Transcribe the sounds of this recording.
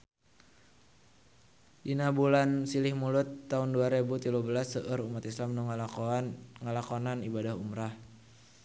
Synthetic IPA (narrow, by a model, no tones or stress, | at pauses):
dinabulansilɪhmulʊt̪ːaunduaɾebut̪iluhbəlasəʔəɾumat̪islamnu | ŋəlakonanibadaɦumɾah